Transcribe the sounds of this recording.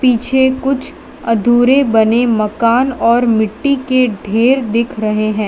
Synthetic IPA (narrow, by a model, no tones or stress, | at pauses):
piːt͡ʃʰekʊt͡ʃʰ | ɐd̪ʱuːɾebɐnemɐkaːnɔːɾmɪʈːikeɖʱeːɾd̪ɪkʰɾɐɦeɦɛ̃ː